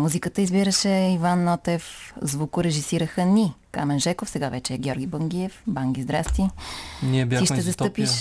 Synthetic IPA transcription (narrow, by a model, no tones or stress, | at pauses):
muzikət̪əizbiɾəʃɛivanːɔt̪ɛfzvukʊɾɛʒisiɾəxənikamɛnʒɛkofsɛɡavɛt͡ʃɛːɡʲɔɾɡʲibəŋɡ̟iɛfbaŋɡʲizd̪ɾast̪iniɛbjaiʃt̪ɛzɐst̪ɤpiʃ